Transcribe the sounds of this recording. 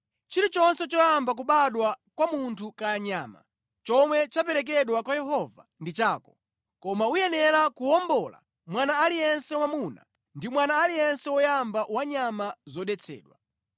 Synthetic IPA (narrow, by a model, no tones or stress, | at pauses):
t͡ʃiɾit͡ʃɔnsɛt͡ʃɔjambak̬uɓaɗwakwamuntʰukaaɲa̰ːma̰ | t͡ʃɔmwɛt͡ʃapɛɾɛk̬ɛɗwakwajɛɦɔvandit͡ʃaːkɔ | kɔmaujɛnɛlakuɔmbɔla̰ | mwanaːlijɛnsɛwamuna̰ | ndimwanaːlijɛnsɛwɔjambawaɲamazɔɗɛt͡sʰɛ̰ːɗwa̰